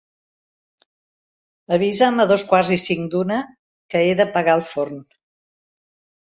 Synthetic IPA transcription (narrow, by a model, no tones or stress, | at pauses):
əβ̞izəməðoskwarzisiŋd̪unə | kəeðəpəɣaəlˠforn